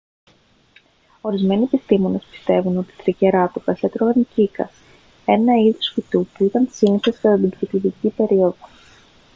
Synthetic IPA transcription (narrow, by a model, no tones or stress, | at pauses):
o̞ɾizme̞nie̞pist̪imo̞ne̞spi̥st̪e̞vuno̞t̪i̥t̪ɾice̞ɾɐt̪upɐset̪ɾovɐncikɐ̰s | e̞nɐiðosfit̪upuit̪ɐnsiniseskɐt̪ɐt̪ibɾit̪ivicipe̞ɾio̞ðo̞